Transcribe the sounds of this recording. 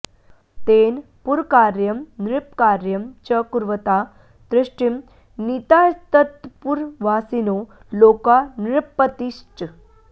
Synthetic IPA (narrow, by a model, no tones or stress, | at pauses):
t̪en | puɾkaɾjəmnɾip̚kaɾjəmt͡ɕəkuɾʋət̪a | d̪ɾiʂʈim | nit̪ajt̪ət̪puɾʋasino | lokanɾpːət̪isʈ